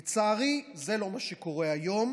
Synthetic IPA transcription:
t͡saʁize̞lo̞maʃeko̞ʁeajo̞m

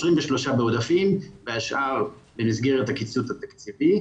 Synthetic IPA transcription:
sʁimveʃlo̞ʃabeod̪afimbeaʃʔaʁbemizɡeʁet̪hakit͡suthat̪akt͡sivi

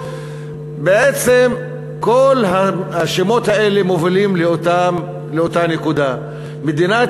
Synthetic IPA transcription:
beʔet͡sem | kolɦaaʃemo̞t̪hae̞le̞movilimla | leot̪anekud̪a | med̪ina

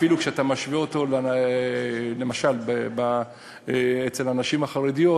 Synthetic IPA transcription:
filukʃeat̪amaʃvioto̞l | lemaʃalbeba | et͡selanaʃimaχaʁedijo

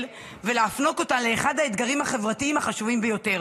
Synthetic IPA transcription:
l | veleafno̞ko̞tanle̞ːχad̪haet̪ɡaʁimhaχe̞vʁatiimhaχaʃuvimbejo̞te̞ʁ

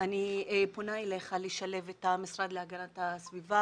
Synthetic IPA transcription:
anieponaeleχaliʃale̞vetamisʁad̪leaɡanatasviva

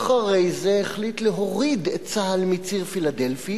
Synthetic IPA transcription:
χaʁejzeːχlit̪leɦoʁid̪ett͡saɦalmit͡siʁfilad̪e̞lfi

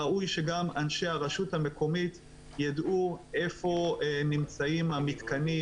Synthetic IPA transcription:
aʔujʃe̞ɡamanʃe̞haʁaʃuthame̞ko̞mit̪ | jaduʔe̞fo̞nimt͡saimamit̪kani

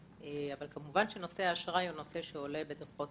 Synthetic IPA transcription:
eavalkamuvanʃeno̞seaːʃʁajuno̞se̞ʃeole̞bedeʁχo

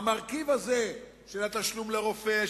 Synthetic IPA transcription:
maʁkivaze̞ | ʃelat̪aʃlumleʁo̞fe

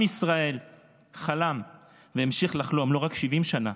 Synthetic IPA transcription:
isʁae̞l | χalam | veemʃiχlaχlomlo̞ʁakʃivimʃana

